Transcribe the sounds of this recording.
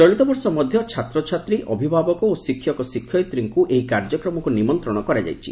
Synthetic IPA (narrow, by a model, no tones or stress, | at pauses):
d͡ʒɔɭut̪ɔbɔɾsɔmɔd̪ʱjɔt͡ʃʰat̪ɾɔt͡ʃʰat̪ɾiʔʔɔbʱibʱabɔkɔosikʰːjɔkɔsikʰːjɔjt̪ɾiŋkuʔeɦikaɾd͡ʒɔkɾɔmɔkunimɔnt̪ɾɔɽ̃ɔkɔɾad͡ʒa̰jt͡ʃʰḭ